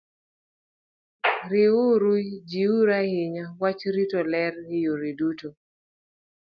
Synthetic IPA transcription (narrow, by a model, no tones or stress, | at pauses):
ɾɪuɾud͡ʒiuɾahɪɲawat͡ʃɾitolɛrɪjoɾiduto